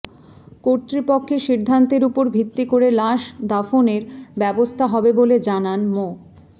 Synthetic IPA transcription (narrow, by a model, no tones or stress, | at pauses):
koɾt̪ɾipokʰːeʃiɾd̪ʱant̪eɾupoɾbʱit̪ːikoɾelaʃd̪afoneɾbɛbost̪ʰaɦɔbeboled͡ʑananmo